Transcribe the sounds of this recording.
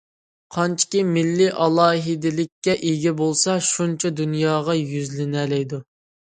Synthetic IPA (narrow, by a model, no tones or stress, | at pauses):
qʰɑnt͡ʃʰi̥kʲimɪlːɪʔɑlˠɑːɦɪd̪ɪlɪkʲːɛʔiɡʲɛbolˠsɑʃunt͡ʃʰɛd̪unjɑːʁɑjyzlɪnɛlɛjd̪u